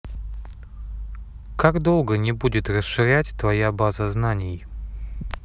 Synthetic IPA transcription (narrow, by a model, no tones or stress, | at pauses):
kaɡd̪o̞lˠɡənʲɪbudʲɪt̪rəsʂɨɾʲætʲt̪vɐjabazəznanʲɪj